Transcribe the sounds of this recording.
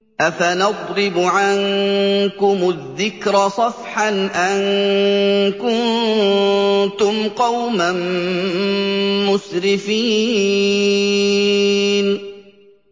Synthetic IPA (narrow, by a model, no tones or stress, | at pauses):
ʔafanɑd̪ˤɾɪbʊʕankʊmʊðːɪkɾɑsˤɑfħanʔan | kʊn | t̪ʊmqɑwman | ʊsɾɪfiː | n